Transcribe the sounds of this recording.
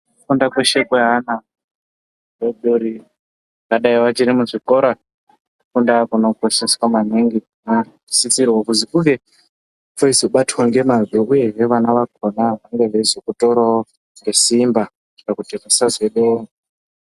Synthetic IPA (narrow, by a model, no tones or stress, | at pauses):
kundakweʃekweɦana | eɗoɾi | kaɗaiwat͡ʃiɾimuʐikoɾa | kundakuno̞koseswamaneŋɡi | na | isit͡sirwakuzikuɡe | foisoɓatwaŋɡe̞maziuje̞ʐe̞ʋanaʋakonaʋaŋɡeʐirizokuto̞ɾo | ŋɡe̞simba | kakutekasazweɗoŋo